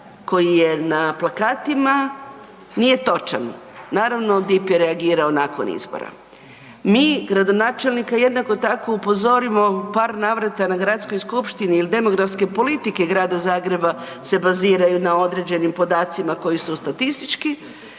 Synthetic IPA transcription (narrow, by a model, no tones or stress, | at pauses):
ko̞jije̞naplˠakaːt̪ima | nije̞t̪o̞t͡ʃa̰nnaːɾaʋno̞d̪ipjeɾeaɡiːɾaonako̞̰nḭzbo̰ɾa̰ | miːɡɾad̪o̞naːt͡ʃe̞lnikaje̞d̪nako̞t̪ako̞upo̞zo̞ɾimo̞paːɾnaːʋɾat̪anaɡɾat̪sko̞jskupʃt̪iniːlid̪e̞mo̞ɡɾafske̞po̞lit̪ike̞ɡɾaːd̪azaːɡɾe̞ba | se̞baziːɾajunao̞d̪ɾe̞d͡ʑe̞nimpo̞d̪aːt̪simako̞jisust̪at̪ist̪it͡ʃki